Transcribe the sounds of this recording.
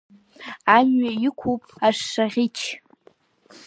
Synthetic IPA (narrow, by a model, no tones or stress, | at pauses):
aɲɥaikʷʰupʼaʂːaʁʲit͡ʃʰ